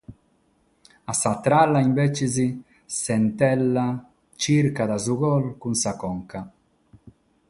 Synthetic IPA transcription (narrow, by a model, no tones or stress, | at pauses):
asat̪ɾalːaiɱvɛt͡ʃizi | sɛnt̪ɛlːa | t͡ʃiɾkad̪azuɣɔlkunsakɔŋka